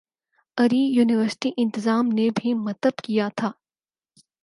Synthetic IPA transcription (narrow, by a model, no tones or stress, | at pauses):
ɐɾiːjuːnɪʋəɾsɪ̥ʈiʔɪ̃nt̪ɪzaːmnebʱimɐt̪əbkijat̪ʰaː